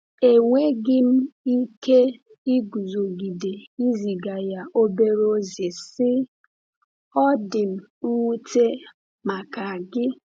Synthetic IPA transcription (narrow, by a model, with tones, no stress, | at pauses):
e˨ŋʷe˦ɡɪ˦m̩˦i˦ke˦ | i˦ɡu˨zo˨ɡi˨de˨i˦zi˨ɡa˨ja˨ʔo˦be˦ɾo˦zɪ˨sɪ˦ | ɔ˦dɪ˨m̩˦ŋʷu˦te˦ | ma˨ka˨a˨ɡɪ˦